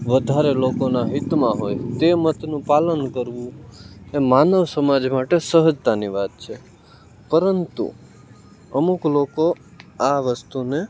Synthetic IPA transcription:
ʋəd̪ʱaɾelokonaɦɪt̪mãɦojt̪emət̪nũpalənkəɾʋũemanəʋsəmad͡ʒmaʈesəɦəd͡ʒt̪aniʋat̪̚t͡ʃʰe | pəɾənt̪ṵ | əmukloko | aʋəst̪une

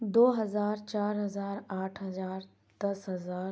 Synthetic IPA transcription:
d̪oːɦɐzaːɾt͡ʃaːɾɦɐzaːɾaːʈʰɦɐzaːɾ | d̪̥ɐsɦɐzaːɾ

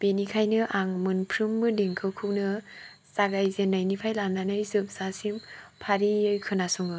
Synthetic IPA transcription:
b̥enikʰajnɯʔaŋmɯnpʰɾumːɯdiŋkʰɯwkʰɯwnɯ | saɡajzenːajnipʰajlamnanɯjzɯp̚sasimpʰaɾiɯjkʰɯnasuŋɯ

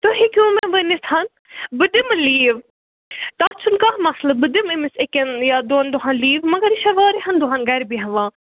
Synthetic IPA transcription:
t̪oɦikʲũːmɐ̃ʋənishɐn | bɨd̪imɐliːʋ | t̪aːt͡ʃʰunkaɦmɐslɐbɨd̪imimisekʲɐnjad̪ond̪uɦɐ̃nliːʋmɐɡɐɾiʃɐʋaːɾiɦɐnd̪uɦɐnɡɐɾʲbiɦɐ̃ʋãː

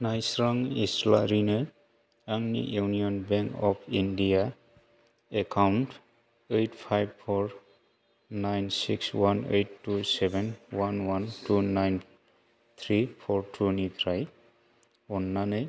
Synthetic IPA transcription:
najsɾaŋisla̰ɾinɯ | aŋnḭjuniɔnbɛŋkɔpʰindija | ekʰawnt | ejtʰpʰajbpʰɔɹ | najnsikswanḛjtːusɛbɛnwanwantʰunajn | t̪ʰɹipʰɔɹtʰunit̪ʰɾaj | ɔnːanaj

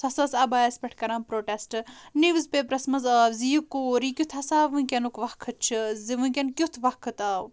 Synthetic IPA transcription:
sɐsɐsɐbaːespʲɛʈ̚ʰkɐɾaːmpɾoːʈesʈɨniʋɨzpeːpɾɐsmɐzəzijukːuːɾikʲut̪ʰɐsaːʋɨnkʲɐnukʋɐkʰːɨt̚t͡ʃʰiziʋɨnkʲenkʲjut̪ʰʋɐkʰɨt̪aːw

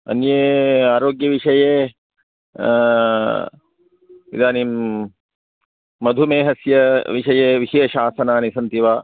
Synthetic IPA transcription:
ɐ̰njeːaːɾoːɡjɐʋiʂɐjeː | ḭd̪aːnim | ɐd̪ʱumeːɦɐsjɐʋiʂɐjeːʋiɦijɐʃaːsɐnaːnisɐnt̪iʋaː

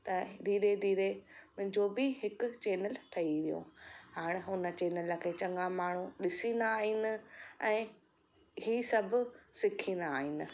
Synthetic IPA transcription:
t̪ɐd̪ʱiːɾed̪ʱiːɾemʊ̃ɦɪ̃ɲd͡ʑobɪɦɪkʊ̆t͡ɕeːnəlʈʰɐiʋijõ̰haːɽ̃ɪɦʊnə̆t͡ɕeːnəlkʰeːt͡ɕɐ̃ŋɡãmaːɳ̤uɗɪsind̪aːɦɪnɪ̆ɛ̃ː | ɦiːsɐbʱʊsɪkʰĩnd̪aːɦɪnɪ̆

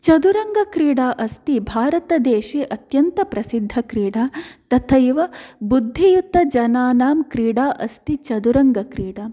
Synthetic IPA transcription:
t͡ʃɐd̪uɾɐŋɡɐkɾiːɽaːʔɐst̪ibʱaːɾɐt̪ɐd̪eːʃiːʔɐt̪jɐnt̪ɐpɾɐsid̪ʱːɐkɾiːɽaːt̪ɐt̪ʰɐjʋɐbud̪ʱːijut̪ːɐd͡ʒɐnaːnaːmkɾiːɽaːʔɐst̪it͡ʃɐd̪uɾɐŋɡɐkɾiːɽa

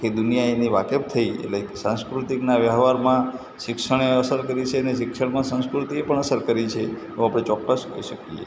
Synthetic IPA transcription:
ked̪unijaeniʋakep̚t̪ʰəiḛtlekesãnskɾut̪iknaʋjəɦʋaɾmã | ʃɪkʃəɽ̃eəsəɾkəɾit͡ʃʰeneʃɪkʃəɭmãsə̃nskɾut̪iepəɳəsəɾkəɾit͡ʃʰeeʋoapɽ̃et͡ʃɔkːəskəiʃəkiḛ

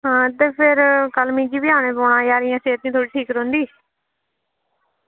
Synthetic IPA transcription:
ɦãːt̪eːpʰɪɾkəlmĩːd͡ʒiːbɪaːɽ̃eːpoːɽãːjaːɾɪjãːsẽːɪt̪nĩːt̪ʰoːɽiːʈʰiːkɾõːnd̪iː

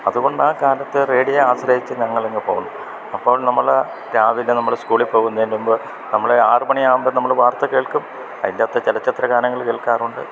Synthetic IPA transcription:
ɐðuɣo̞ɳɖɨaːkaːlɐt̪ːere̞ːɽijeaːɕɾɐɦit͡ɕːɨɲɐŋːɐɭeŋɡipo̰ːɣunːu | ɐpːo̞ːɭnɐmːɐɭ | ɾaːʋilːenɐmːɐɭskuːɭipːoːɣunːɐðindumbo | nɐmːɐɭeaːrmɐɳijaːumbonɐmːɐɭʋaːrt̪ɐke̞ːɭkum | ɐðilːaːt̪ːet͡ɕelɐt͡ɕːɐt̪rɐɡaːnɐŋːɐɭke̞ːɭkaːruɳɖɨ̰

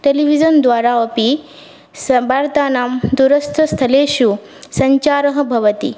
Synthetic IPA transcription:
ʈeliʋid͡ʒɐnd̪ʋaːɾaːɐpi | sbaːɾt̪aːnaːmd̪uɾɐst̪ʰɐst̪ʰɐleːʃu | sɐɲt͡ʃaːɾɐɦɐ̆bʱɐʋɐt̪ḭ

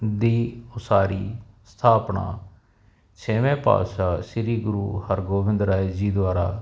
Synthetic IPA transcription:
d̪iːʊsaːɾiː | st̪ʰaːpɳa̰ː | t͡ʃʰeːʋẽːpa̰ːʃaːʃɪɾiːɡʊɾuːhəɾɡoːʋɪ̃nd̪ɾaːid͡ʒiːd̪ʋaːɾaː

